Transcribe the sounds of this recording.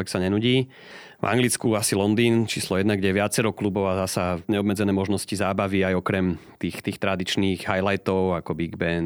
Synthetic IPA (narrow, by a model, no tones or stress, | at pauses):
ɛksaɲɛnuɟiː | va̰ŋɡlit͡skuasilɔnd̪iːnt͡ʃiːslɔjɛd̪naɡɟɛɛʋɪat͡sɛɾɔklubɔʊazasaɲɛɔbmɛd͡zɛnɛːmɔʒnɔscizaːbaʋiajɔkɾɛmt̪iːxt̪iːxt̪ɾad̪it͡ʃniːɣɦajlajt̪ɔʊakɔbiɡbɛn